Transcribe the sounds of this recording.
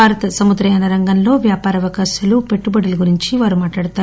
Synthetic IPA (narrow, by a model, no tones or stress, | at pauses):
aːɾɐt̪ɐsɐmud̪ɾɐjaːnɐɾɐŋɡɐnlo̞ːʋjaːpaːɾɐʋɐkaːʃɐlupe̞ʈːubɐɽɐluɡuɾiɲt͡ʃiʋaːɾumaːʈlaːɽut̪aːu